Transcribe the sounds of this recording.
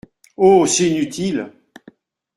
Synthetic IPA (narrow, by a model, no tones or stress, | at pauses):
osɛinyt̪ʰil